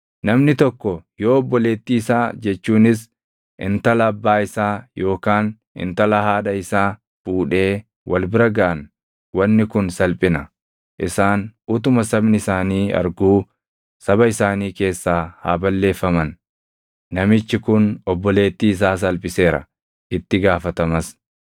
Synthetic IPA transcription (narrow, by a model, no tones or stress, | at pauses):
nɐmnɪt̪ɔkːɔjo̞ːɔbːɔle̞ːt̪ːiːsaːd͡ʒɛt͡ʃːuːnɪs | ʔɪ̰nt̪ɐlɐːbːaːɪsaːjo̞ːkaːn | ɪ̰nt̪ɐlɐɦaːᶑɐɪsaː | fuːᶑe̞ː | wɐlbɪɾɐɡɐʔɐn | wɐnːɪkʊnsɐlpʼɪnɐ | ʔɪsaːnʊt̪ʊmɐsɐbnɪɪsaːniːɐ̰ɾɡuː | sɐbɐɪsaːniːke̞ːsːaːha̰ːbɐlːe̞ːfːɐmɐnː | ɐmɪt͡ʃːɪkʊnɔbːɔle̞ːt̪ːiːɪs̬aːs̬ɐlpʼɪse̞ːɾɐ̰ | ʔɪt̪ːɪɡaːfɐt̪ɐmɐs